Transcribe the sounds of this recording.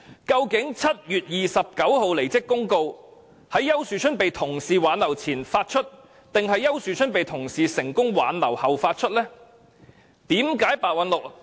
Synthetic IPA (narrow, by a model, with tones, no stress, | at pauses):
kɐ˧wkɪ˨˥ŋt͡sʰɐ˥t̚jyː˨t̚jiː˨sɐ˨p̚kɐ˨˥who˨˧wle˨˩jt͡sɪ˥kːʊ˥ŋko˧w | hɐ˨˥jːɐ˥wsyː˨t͡ʃʰɵ˥npe˨jt̪ʰʊ˨˩ŋsiː˨waː˨˥nlɐ˨˩wt͡sʰiː˨˩nfaː˧t̚t͡ʃʰɵ˥t̚ | t̪ɪ˨ŋɦɐ˨jːɐ˥wsyː˨t͡ʃʰɵ˥npe˨jt̪ʰʊ˨˩ŋsiː˨sɪ˨˩ŋkʊ˥ŋwa̰ː˨˥nlɐ˨˩whɐ˨wfaː˧t̚t͡ʃʰɵ˥t̚lɛː˥ | t̪iː˨˥mkaː˨˥jpaː˨˧t̚wɐ˨˧nlʊ˨k̚